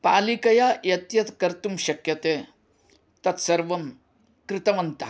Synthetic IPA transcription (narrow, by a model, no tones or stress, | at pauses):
paːlikɐjajɐt̪jɐt̪kɐɾt̪umɕɐkjɐt̪e | t̪ɐt̪sɐɾʋɐm | kɾɪt̪ɐʋɐnt̪a